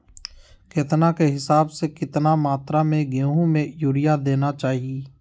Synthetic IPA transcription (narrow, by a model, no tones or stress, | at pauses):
kɪt̪nakeɦɪsaːbsekɪt̪namaːt̪ɾamẽɡeːɦõmẽjʊːɾɪjad̪eːnat͡ʃaːɦieː